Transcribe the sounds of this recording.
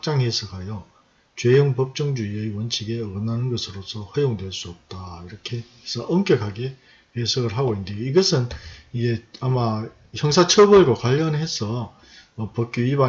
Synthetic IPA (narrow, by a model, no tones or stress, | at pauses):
k̚t͡ɕ͈aŋɦesʰʌɡɦajʌ | t͡ɕwe̞joŋpʌp̚t͡ɕ͈ʌŋd͡ʑuiɯjwʌnt͡ɕʰiɡe̞ʌɡɯnːanɯnɡʌsʰɯɾosʰʌɸʌjoŋdwe̞ɭs͈uʌp̚t͈aiɾʌkʰe̞ | esʰʌʔʌmk͈jʌkʰaɡe̞ | hesʰʌɡɯɭɦaɡoindɯjoiɡʌsʰɯnid͡ʑe̞ama | çjʌŋsʰat͡ɕʰʌbʌɭɡokwaʎːʌnɦe̞sʰʌː | pʌk͈juiba